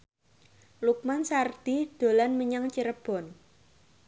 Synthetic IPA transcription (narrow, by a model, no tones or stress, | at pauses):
luk̚mansard̪̥ihd̪̥o̤lanməɲaŋt͡ʃiɾəb̥ɔ̤n